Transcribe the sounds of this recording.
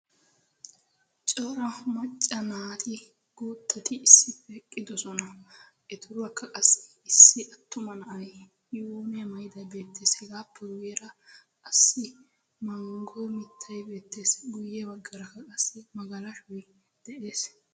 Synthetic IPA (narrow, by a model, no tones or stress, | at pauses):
t͡ʃʼɔːɾɐmɐt͡ʃʼːɐnaːt̪ʰɪ | ɡ̥oːt̪ʰːɐt̪ɪːsːɪpːɛːkʼːɪd̪ɔsɔnɐ | ɛt̪ʊɾʊɐkːɐkʼɐsːɛ̥ | ɪsːɪʔɐt̪ːʊmɐnɐʔɐj | joːnɛmɐjɪd̪ɐbe̞ːt̪ːeːshɪɡaːpʰːɛwʊjɛɾɐkʼɐsːɪ | mɐŋɡɔjmɪt̪ʰːɐjbe̞ːt̪ːeːsɡʊjːɛbɐɡːɐɾɐkːɐkʼɐsːɛmɐɡɐlɐʃʊj | d̪̥ɛʔe̞ːs